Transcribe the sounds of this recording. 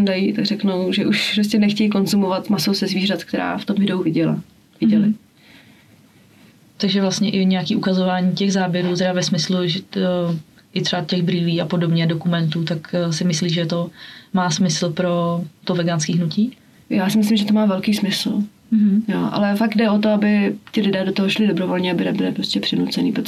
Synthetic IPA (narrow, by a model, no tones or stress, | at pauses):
ndajit̪aɡrɛknowʒɛʔuʃpɾostcɛnɛxcɛjkonzumovat̪masowsɛzviːrat̪k̚t̪ɛɾa̰ːft̪omɪdowvɪɟɛla̰ | vɪɟɛlɪ | t̪aɡʒɛvlast̪ɲɛʔɪɲɛjakiːʔukazovaːɲiːcɛɣzaːbjɛɾuːt̪ɛɾavɛsmɪsluʒɛ | ʔɪt̪r̝̥ɛbacɛɣbɾiːliːxapo̞dobɲɛdokumɛnt̪uːt̪akːsɪmɪsliːʒɛt̪o̞maːsmɪsl̩pɾo̞t̪ovɛɡaːnskiːɦnuciː | jaːsɪmɪs̬lɪmʒɛt̪omaːvɛlkiːsmɪsl̩ | ɦ̩joʔa̰lɛfaɡ̚dɛot̪oabɪt̪ɪlɪdɛːdot̪oɦoʃlɪdobɾovolɲɛabɪnɛbɪlɪpɾoscɛpr̥ɪnut͡sɛniːpɾot̪